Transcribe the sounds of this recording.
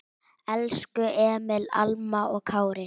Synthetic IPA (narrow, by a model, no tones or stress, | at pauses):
ɛlskʏʔɛmɛla̰lmaɔɣkʰaːwɾɪ